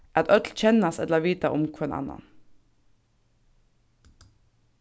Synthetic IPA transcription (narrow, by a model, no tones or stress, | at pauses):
æːɑt̪ʔœt̪lc͡çɛnɑsɛ̰lləʋiːt̪ɑʔʊmkʰuɛnʔɑ̰nɑ̰n